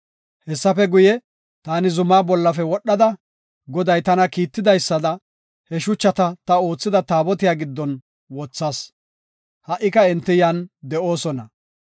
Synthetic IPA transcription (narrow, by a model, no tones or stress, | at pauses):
hɛsːɐfɛɡʊjɛ | t̪aːnɪzʊmaːbɔlːɐfɛwɔɗːɐd̪ɐ | ɡɔd̪ɐjt̪ɐnɐkiːt̪ːɪd̪ɐjsːɐd̪ɐ | hɛʃʊt͡ʃːɐt̪ɐt̪ɐo̞ːt͡sːɪd̪ɐt̪aːbɔt̪ɪjaːɡɪd̪ːɔn | wɔt͡sːaːs | hɐʔɪkɐɪnt̪ːɪjand̪ɛʔo̞ːsɔnɐ